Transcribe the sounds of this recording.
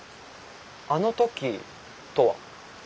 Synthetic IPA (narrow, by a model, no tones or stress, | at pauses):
ano̞t̪o̞kʲi | t̪o̞βa̰